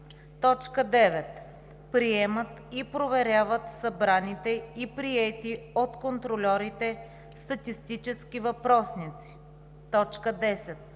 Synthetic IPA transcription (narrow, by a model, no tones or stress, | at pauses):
t̪ɔt͡ʃkəd̪ɛvɛt̪ | pɾiɛmət̪ipɾovɛɾjavət̪sɐbɾanit̪ɛipɾiɛt̪iot̪kont̪ɾolʲɔɾit̪ɛ | st̪ɐt̪ist̪it͡ʃɛskʲivɐpɾɔsnit̪si̥ | t̪ɔt͡ʃkəd̪ɛsɛt̪̚